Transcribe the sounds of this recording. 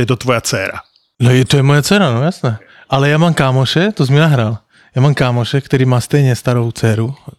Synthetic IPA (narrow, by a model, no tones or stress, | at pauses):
jɛt̪ɔt̪ʋɔjat͡sɛ̰ːɾa̰ | nɔjɛt̪ɔjɛmɔjat͡sɛːɾanojasnɛː | ʔalɛjaːmaːmkaːmɔʃɛt̪ɔzminaɦɾal | jaːmaːmkaːmɔʃɛkt̪ɛɾiːmaːst̪ɛjɲɛst̪aɾoʊt͡sɛːɾu